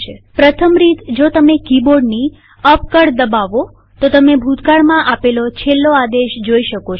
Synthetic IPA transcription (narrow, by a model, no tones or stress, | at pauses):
epɾət̪ʰəmɾit̪d͡ʒot̪əmekiboɖni | əpkəɽd̪əbaʋo | t̪ot̪əmebʱut̪kaɭmãʔapelot͡ʃʰelːoad̪eʃd͡ʒoiʃəko